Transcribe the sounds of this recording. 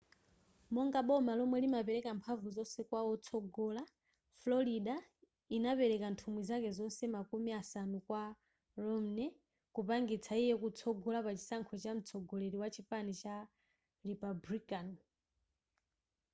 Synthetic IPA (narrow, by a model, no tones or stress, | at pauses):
mɔŋɡaɓɔmalɔmwɛlimapɛɾɛkampʰavuzɔnsɛkwaɔt͡sʰɔɡɔla | flɔɾiɗa | inapɛɾɛkantʰumwizakɛzɔnsɛmakumiasanukwa | ɾɔm̩nɛ | kupaŋɡit͡sʰaijɛkut͡sʰɔɡɔlapat͡ʃi̥saŋkʰɔt͡ʃam̩t͡sʰɔɡɔleɾiwat͡ʃʰiɸanit͡ʃa | ɾipabɾikan